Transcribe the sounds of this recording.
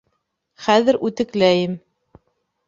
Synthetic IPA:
χæðɘɾʉt̪ɘ̆klæjɘm

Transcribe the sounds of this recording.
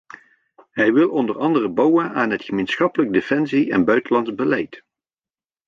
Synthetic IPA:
ɦɛjʋɪlˠɔndərɑndərəbɑwənaːnɦətχəmejnsχɑpələɡ̚defɛnsiɛ̰nbœɥtəlɑnzbəlɛjt

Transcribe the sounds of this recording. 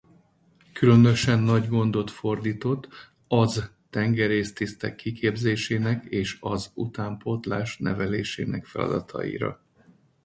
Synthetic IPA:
kylø̞nø̞ʃɛnːɒɟɡo̞nd̪o̞t̪fo̞rd̪iːt̪o̞t̪ː | ɒz | t̪ɛŋɡɛɾeːst̪ist̪ɛkːikʰeːbzeːʃeːnɛkeːʃɒzut̪aːmpo̞t̪laːʃnɛ̰vɛleːʃḛːnɛkfɛlɒ̰d̪ɒt̪ʰɒ̰jḭɾɒ̰

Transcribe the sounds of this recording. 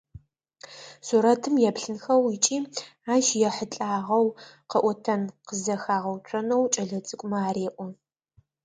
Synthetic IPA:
suɾɐtʰɨmjɛpɬɨnxɐwit͡ʃʼiːaːʃjɛħət͡ɬʼaːʁɐwqɐʔʷɔtʰɐnqəzɐxaːʁɐwt͡ʃʷʰʼɐnɐwt͡ʃʼɐɮɐt͡sʼɨkʷʼʊmɐaːɾeːʔʷɔ

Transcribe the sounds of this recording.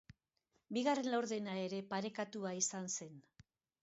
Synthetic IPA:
biɣare̞nlawɾðe̞nae̞ɾe̞paɾe̞kat̪uaisanse̞n

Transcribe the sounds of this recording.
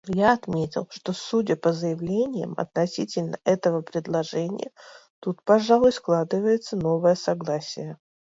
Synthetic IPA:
jaɐt̪mʲetʲɪ̰lˠʂt̪osːudʲəpəzəjɪvlʲenʲɪjə̰mɐ̰t̪nɐsʲitʲɪlʲnə̰ʔɛt̪əvəpɾʲɪd̪lˠɐʐɛnʲɪ̰jət̪ut̪pɐʐalˠʊjsklˠad̪ɨvəjɪt̪səno̞vəjəsɐɡlˠasʲɪjə

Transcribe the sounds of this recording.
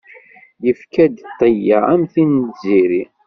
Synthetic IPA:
jəfkæd̪t̪ˤːəjææmθinziɾi

